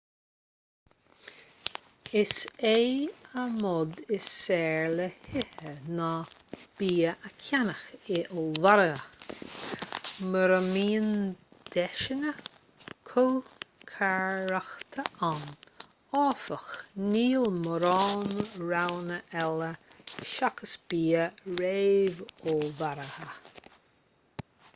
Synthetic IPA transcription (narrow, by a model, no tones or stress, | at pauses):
ɪsejəmɔd̪ɪsɛːɹləhɪhənab̥iːəʔəkʰjanəxɪʔɔlvaɾəə | məɾəmiːnd̪̥ɛʃənə | kʰolkʰaɹɾaxt̪ʰəʔan | ɔːfəxniːlməɾɔːnɹawnəʔɛləʃakəsb̥iːəɹeːvɔlvaɾəhə